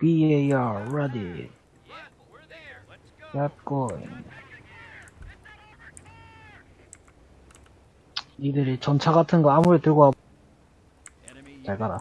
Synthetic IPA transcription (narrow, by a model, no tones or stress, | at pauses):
pieiaoɾadi | jat̚k͈oḭ | idɯɾit͡ɕʌnt͡ɕʰaɡatʰɯnɡʌamuɾetɯɡoɦa | t͡ɕaɭkaɾa